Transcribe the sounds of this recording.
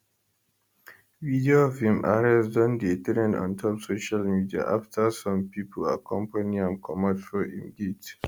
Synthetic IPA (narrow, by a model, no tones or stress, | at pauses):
vidiofilma̰ɹɛsdɔ̃ndetɛɾɛ̃ndɔ̰̃ntʰɔpsoʃalmidia̰ʔaftʰasɔ̃mpipʰəla̰kʰɔ̃mpaniãmkʰɔmatfɔḭ̃mɡit